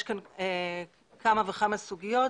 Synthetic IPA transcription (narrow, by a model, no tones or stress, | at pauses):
ʃkane | kamaveχamasuɡijo̞t